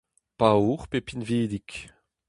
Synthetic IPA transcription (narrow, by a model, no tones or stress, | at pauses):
pauʁpepinveːd̪ik